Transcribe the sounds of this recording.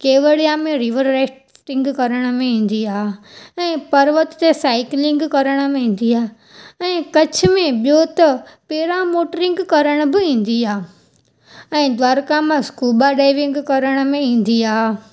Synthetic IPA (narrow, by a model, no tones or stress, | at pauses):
keːʋəɽijamẽɾiʋəɾɾeː | ʈɪ̃ŋɡkɐɾəɽ̃ə̆mẽĩːn̆d̪iaːɛ̃ːpɐɾʋət̪t̪esaːɪklɪ̃ŋɡkɐɾəɽ̃ə̆mẽĩːn̆d̪iaː | ɛ̃ːkɐt͡ɕʰɪ̆mẽɓjot̪ɐpeːɾãmoːʈəɾɪ̃ŋɡkɐɾəɽ̃əbɪĩːn̆d̪iaː | ɛ̃ːd̪ʋaːɾkãmãskuːbaɖaːɪʋɪ̃ŋɡkɐɾəɽ̃ə̆mẽĩːn̆d̪iaːɦ